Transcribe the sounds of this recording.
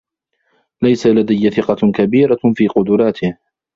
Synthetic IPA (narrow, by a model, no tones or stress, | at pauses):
lajsalad̪ajːaθɪqɑkabiːɾafiːqʊd̪ʊɾˤɑːt̪ʰɪh